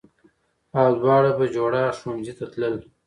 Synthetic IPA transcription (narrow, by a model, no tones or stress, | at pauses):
ɑːd̪wɑːɽabad͡ʒoːɽaʂond͡ʑit̪at̪ləl